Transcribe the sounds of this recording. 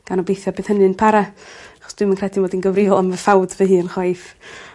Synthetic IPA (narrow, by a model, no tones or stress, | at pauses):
ɡ̥anɔbejθjabeːð̥hənɨnpʰaɾaaχɔ̥sd̥wɪmənkʰrɛdinvɔːdinɡəwrivɔlˠamvəfawdvehɨːənχwajf